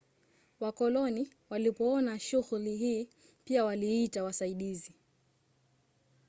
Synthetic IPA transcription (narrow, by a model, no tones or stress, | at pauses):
wakɔlɔni | walipɔɔnaʃuɣuliɦiː | piawaliitawasaiɗizi